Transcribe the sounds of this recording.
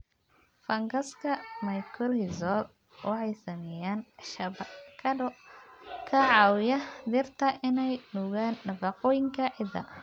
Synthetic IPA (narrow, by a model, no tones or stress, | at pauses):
fɐŋɡɐskʰɐmɐjkʰɔlhɪzɔd̪ | wʔɑħɑjsɐmɛjaːnʃɐbkʰɐ | kʰɐʕɑwjɐd̪ɪrt̪ʰɐʔɪnɛjnuːɣaːnːɐfɑqɔːjɪŋkʰɐʕɪd̪ɐ̰